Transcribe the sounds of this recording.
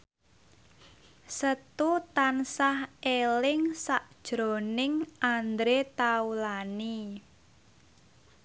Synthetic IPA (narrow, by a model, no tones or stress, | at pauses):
sət̪ut̪ansahelɪŋsaʔd̥ʒ̥ɾo̤nɪŋʔand̪ɾet̪aulani